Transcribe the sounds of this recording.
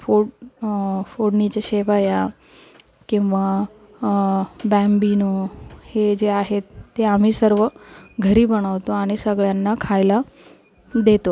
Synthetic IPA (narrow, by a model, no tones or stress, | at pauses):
fo | foɽnit͡ɕeɕeʋaja | kĩw̃ʋa | bæmbinohed͡ʑeaɦet̪ːeam̤iːsəɾʋəɡʱəɾiːbəɽ̃aʋt̪oaɽ̃isəɡɭjanːakʰajla | d̪et̪o